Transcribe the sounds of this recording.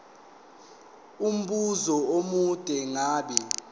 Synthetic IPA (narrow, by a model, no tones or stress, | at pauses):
um̩ɓuzɔomud̥ʼʱɛŋaːɓɛ